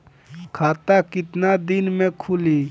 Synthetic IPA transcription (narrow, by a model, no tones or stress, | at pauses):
kʰat̪akɪt̪nad̪inmekʰuli